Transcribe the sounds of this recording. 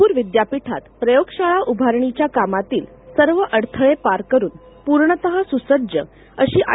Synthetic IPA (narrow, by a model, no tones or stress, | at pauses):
uːɾʋid̪japiʈʰat̪pɾəjoɡɕaɭaʔubʱaɾɳit͡ɕjakamat̪iːl | səɾʋəʔəɽt̪ʰəɭepaɾkəɾuːn | puɾɳət̪əɦasusəd͡ʑə̰ | əɕiːʔa